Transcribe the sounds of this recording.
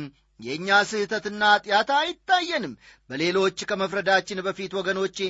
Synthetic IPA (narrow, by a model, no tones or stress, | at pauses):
jɛɨɲːasɨht̪ʰət̪ɨnːat̪ʼɪjat̪ʰajɪt̪ːajːɛnɨmːbəle̞lo̞t͡ʃːkʰəməfɾəd̪at͡ʃːɪnbəfit̪wɔɡəno̞t͡ʃː